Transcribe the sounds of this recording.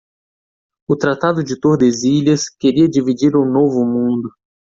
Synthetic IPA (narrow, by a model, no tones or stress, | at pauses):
ʊt̪ɾat̪ad̪ʊd͡ʒɪt̪oɾd̪eziʎɐskeɾiɐd͡ʒivid͡ʒiɾʊnovʊmũnd̪ʊ